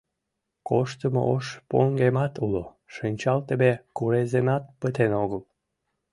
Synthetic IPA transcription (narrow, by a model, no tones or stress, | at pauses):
koʃt̪əmo̰oʃpoŋɡemɑt̪ulo | ʃinʲt͡ɕɑlt̪əbekuɾezenɑt̪̚pət̪enoɣəl